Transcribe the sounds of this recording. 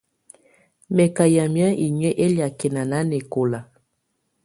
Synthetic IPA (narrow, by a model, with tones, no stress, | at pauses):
mɛ˨ka˨ja˨mja˦i˨ɲɛ˦ʔe˦lja˨kɛ˨na˨na˨˦nɛ˨ko˨la˨